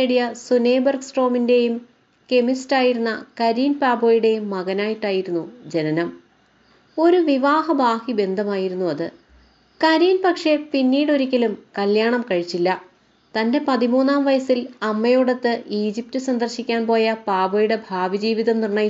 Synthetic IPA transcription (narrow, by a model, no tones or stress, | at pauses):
eɽijɐsune̞ːbɐrɡsʈo̞ːminde̞jum | ke̞mistaːjiɾunːɐkɐɾiːnpaːbo̞ːjuɽe̞jumːɐɣɐnaːjiʈːaːjiɾunːud͡ʑe̞nɐnɐm | o̞ɾuʋiʋaːhɐbʱaːhibe̞nd̪ʱɐmaːjiɾunːuɐðɨ | kɐɾiːnpɐkʂe̞pinːiːɽo̞ɾikʲːɐlumkɐljaːɳɐmkɐɻit͡ɕːilːɐ | t̪ɐnde̞pɐðimuːnːaːmʋɐjɐsilɐmːɐjuɽɐt̪ːɨʔiːd͡ʑip̚tɨsɐnd̪ɐrɕikʲːaːnpo̞ːjɐpaːboːjuɽe̞bʱaːʋid͡ʑiːʋiðɐmnirɳɐj